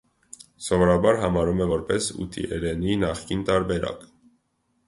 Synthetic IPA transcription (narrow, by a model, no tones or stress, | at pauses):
sɔvɔɾɑbɑɾɦɑmɑɾumɛvɔɾpɛsṵt̪ʰḭʔɛ̰ɾɛninɑχkint̪ɑɾbɛɾɑ̰k